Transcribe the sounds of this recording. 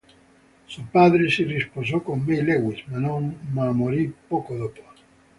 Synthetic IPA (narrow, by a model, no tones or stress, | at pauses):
supaðɾesirespos̬okoŋmejleɣwismanõŋmamoɾipokoðopo